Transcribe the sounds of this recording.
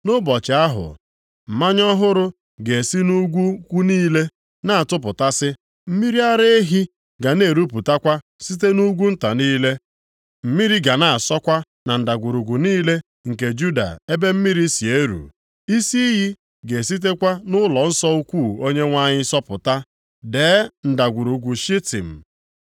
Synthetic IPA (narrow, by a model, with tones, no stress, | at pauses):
nʊ˦bɔ˨t͡ʃɪ˨a˦ɦʊ̰˨ | m̩˨ma˦ɲɔ˦ɦʊ˦ɾʊ˦ | ɡe˨si˦nu˦ɡʷu˦kʷu˦niː˦le˦ | na˦a˨tʊ˦p̬ʊ˨ta˦sɪ˦ | m̩˦mi˦ɾi˦a˦ɾe˦e˦ɦi˦ | ɡa˨ne˦˨ɾu˦pu˨ta˦kʷa˦ | si˦t̬e˦nu˦ɡʷu˦n̩˦ta˨niː˦le˦ | m̩˨mi˦ɾi˦ɡa˨na˦˨a˨sɔ˦kʷa˦ | na˨n̩˨da˨ɡʷu˨ɾu˨ɡʷu˨niː˦le˦ | ŋ̩˨ke˨d͡ʒu˦da̰˨e˦be˦m̩˦mi˦ɾi˦si˨e˦ɾṵ˨ | i˦si˦ɦi˦ | ɡe˨si˦t̬e˦kʷa˦nʊ˦lɔ˨n̩˦sɔ˦u˦kʷu˦˨o˦ɲe˦ŋʷa˦ɲɪ˦sɔ˦pʊ̰˨ta˦ | de˨˦n̩˨da˨ɡʷu˨ɾu˨ɡʷu˨ʃi˦tḭ˨m̩˨